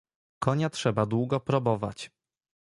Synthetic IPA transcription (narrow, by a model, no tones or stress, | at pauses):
kɔɲatʂɛbad̪wuɡɔpɾɔbɔva̰t͡ɕ